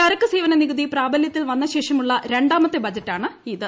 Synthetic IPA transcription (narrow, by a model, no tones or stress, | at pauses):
ɐɾɐkːɨseːʋɐnɐniɣɨðipraːbɐljɐt̪ːilʋɐnːɐɕe̞ːʂɐmuɭːɐɾe̞ɳɖaːmɐt̪ːebɐd͡ʑɐtːaːɳɨiðɨ